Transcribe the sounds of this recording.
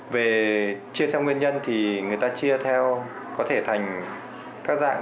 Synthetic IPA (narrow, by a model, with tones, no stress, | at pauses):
ve˨˩t͡ɕi˧ət̪ʰɛ˧wŋwi˧ənɲə˧nt̪ʰi˨˩ŋɨ˨˩əjt̪aː˧t͡ɕi˧ət̪ʰɛ˧w | kɔ˨˦t̪ʰe˧˩t̪ʰa˨˩jŋ̟ | kaː˦˥k̚za̰ː˧˨ŋ